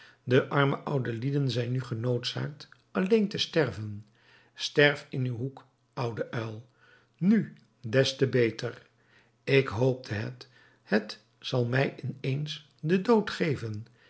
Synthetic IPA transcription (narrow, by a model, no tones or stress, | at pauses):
dəʔɑɹməʔʌwdəlidənzɛjnyχənowtsa̰ːk̚t | ɑlejntəstɛɹvən | stɛɹfɪnywɦuk | ʌwdəʔœlˠ | ny | dɛstəbejtər | ɪkɦowp̚dəɦə̰t | hət | sɑlˠmɛjɪnejns | dədowtχejvən